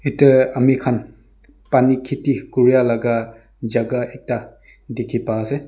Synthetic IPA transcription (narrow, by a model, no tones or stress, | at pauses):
itɐɐmikʰan | panikʰitikuɾijalaɡa | d͡ʒaɡaek̚ta | dikʰipase